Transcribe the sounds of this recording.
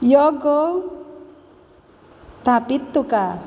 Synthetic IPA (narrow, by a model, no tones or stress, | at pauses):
jɔɡɔ | t̪apit̪ːuka